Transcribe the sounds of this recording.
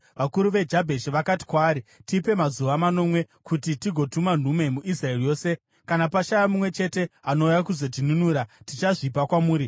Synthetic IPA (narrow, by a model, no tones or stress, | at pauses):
ʋakuɾuʋe̞d͡ʒabʱe̞ʃiʋakati̥kwaːɾitipe̞mazuʋamano̞ːmwe̞ | kutitiɡʱo̞tuman̤ume̞muʔisraerijo̞ːse̞ | kanapaʃajamumwe̞t͡ʃe̞te̞ano̞ujakuzo̞t̬inunuːɾatit͡ʃaʐip̬akwamuːɾi